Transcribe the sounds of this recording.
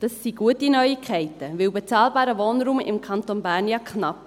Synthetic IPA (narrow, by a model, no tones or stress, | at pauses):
d̥ɑsːiɡuətinœjikʰɛɪtəʋɪwbɛt͡sɑːlbɑːɾəvoːnɾuːmɪ̰mkʰɑnt̪onbæːɾnjɑkʰnɑp̚